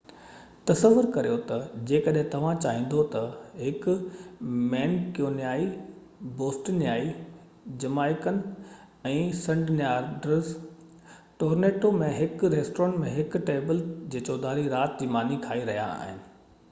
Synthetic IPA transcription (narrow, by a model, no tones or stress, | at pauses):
t̪ɐsəʋːʊɾkɐɾijot̪ɐd͡ʑeːkɐɗɦɪ̃t̪ɐʋ̤ãt͡ɕaːɦĩːn̆d̪ot̪ɐɦɪkʊ | mɛːnkijoːnjaːi | boːsʈnjaːi | d͡ʑɐmaːɪkənɪ̆ | ɛ̃ːsɐ̃ɳɖnjaːɾɖɾəz | ʈoːɾneːʈomẽɦɪkɾeːsʈoəɳmẽɦɪkʈeːbəld͡ʑeːt͡ɕoːd̪aːɾiɾaːt̪̚d͡ʑiːmaːnikʰaːiɾɐɦija̰a̰ːɦɪnɪ̆